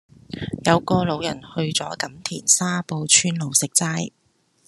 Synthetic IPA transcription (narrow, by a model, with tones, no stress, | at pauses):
jɐ˨˧wkɔː˧lo˨˧wjɐ̰˨˩nhɵ˧ɥt͡sɔː˨˥kɐ˨˥mt̪ʰḭː˨˩nsaː˥po˧wt͡ʃʰyː˥nlo˨wsɪ˨k̚t͡saː˥j